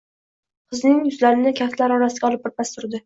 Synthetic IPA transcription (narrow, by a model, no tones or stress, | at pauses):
qʰɨznɪŋjʊzlaɾɪnɪkʲʰaft̪laɾɒɾasɪɡʲɒlˠɪp̚bɒɾ̚bast̪ʊɾd̪ɪ